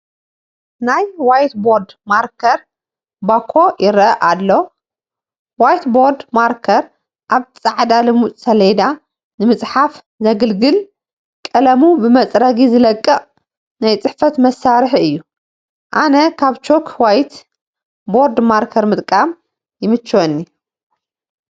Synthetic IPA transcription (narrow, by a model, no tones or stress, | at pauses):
najwajt̪boɾd̪maɾkʰɐɾ | bakʰːo̞jɪɾɐʔalːo | wajt̪boɾd̪maɾkʰɐɾ | ʔaβt͡sʼaʕd̪alɨmutʼsɐled̪a | nɨmɨt͡sʼħaf | zɐɡɨlɡɨl | kʼɐlɐmubɨmɐt͡sʼɾɐɡizɨlɐkʼːɐχʼ | najt͡sʼɨħfɐt̪mɐsːaɾħɨjːu | ʔanɐkʰaβt͡ʃʰokʰwajt̪ | boɾd̪maɾkʰɐɾmɨt̪ʼkʼam | jɪmɨt͡ʃːwonːi